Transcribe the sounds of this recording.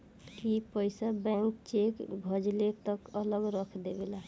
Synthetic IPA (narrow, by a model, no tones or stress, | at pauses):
kipəjsabɛŋkt͡ʃekbʱəd͡ʒlet̪əkələɡɾəkʰd̪ebela